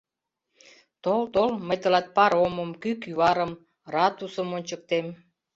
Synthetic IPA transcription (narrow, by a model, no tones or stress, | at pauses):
t̪olt̪olməjt̪ə̆lɑt̪̚pɑɾoməmkykyβɑɾə̆m | rɑt̪usə̆monʲt͡ɕək̚t̪em